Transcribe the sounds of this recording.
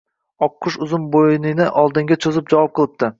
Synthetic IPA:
ɒqʰːʊʃʊzʊmbojɪnɪnɪʔɒlˠd̪ɪŋɡʲat͡ʃʰozɪp̚d͡ʒavɒp̚qʰɨlˠɪp̚t̪ɪ

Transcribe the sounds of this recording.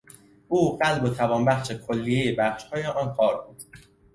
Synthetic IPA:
ʔuːɢælbot̪ʰævɒːnbæxʃe̞kʰolːijejebæχʃhɒːjeʔɒːnkʰɒːɾbuːd̪̥

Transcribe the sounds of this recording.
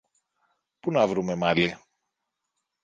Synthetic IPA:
punɐvɾume̞mɐli

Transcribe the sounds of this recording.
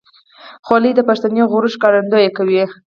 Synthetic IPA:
xɑlid̪əpaʂt̪aneoɣoɾəʃkɑɾand̪ojekawi

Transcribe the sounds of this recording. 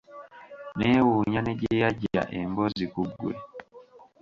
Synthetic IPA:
newuɲaneɟejaɟia̰ʔembozikuɡwḛ

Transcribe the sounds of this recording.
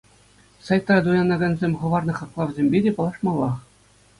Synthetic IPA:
sɑjt̪rɑd̪ujɑnɑɡɑnʲzʲemʲχɤ̆ʋɑrnɤ̆χɑklˠɑʋʲzʲemʲbʲedʲepɤ̆lˠɑʂmɑlˠːɑχ

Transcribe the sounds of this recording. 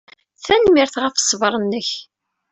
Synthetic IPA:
θænmɪɾθʁəfsˤːvəɾˤənːəç

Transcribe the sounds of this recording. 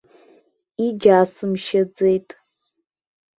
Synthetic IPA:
id͡ʒaːsɨmʃɐd͡zejtʼ

